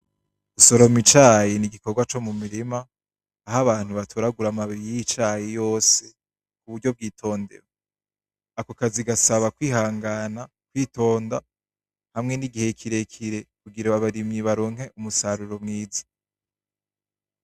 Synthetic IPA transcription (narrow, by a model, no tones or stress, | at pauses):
uso̞ɾo̞mit͡ʃaːjeniɡikoɡwat͡ʃo̞mumiɾimaː | ɦaβaːn̥huβatʰuɾaɡuɾamaβiɾijiit͡ʃaːjejo̞ːse̞ | kuβuɾɟo̞b̚ɡiːtʰo̞ːnde̞̰ɾo | akokaziɡasaβakwiːɦaːŋɡana | kwiːto̞ːnda | hamŋe̞niɡihe̞kʰiɾe̞kʰiɾe̞kuɡiɾaβaβaɾimiβaɾoːŋ̥e̞ʔumusaɾuɾo̞mŋiːzḁ